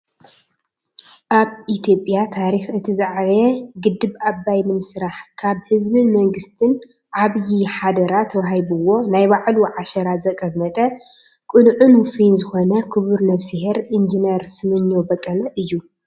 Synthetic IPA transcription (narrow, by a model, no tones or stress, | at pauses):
ʔaβʔit̪ʰijo̞pʼjat̪ʰaɾixɨt̪ʰɨzaʕβɐɡɨd̪ːɨβabːajnɨmɨsɾaħkʰaβhɨzbɨnmɐŋɡɨst̪ʰɨn | ʕaβjiħad̪ɐɾat̪ʰːɐwahajbuwo̞najbaʕluʕaʃɐɾazɐkʼɐmːɐt̪ʼɐ | kʼɨnʕunfinzɨxo̞nɐkʰɨβɨɾnɐβsiheɾʔind͡ʒinɐɾsɨmɨnːobɐkʼːɐlɐʔɨjːu